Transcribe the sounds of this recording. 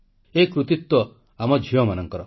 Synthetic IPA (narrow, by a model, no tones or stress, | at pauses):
ekɾut̪it̪wɔ | amɔd͡ʒʱiɔmanɔŋkɔɾɔ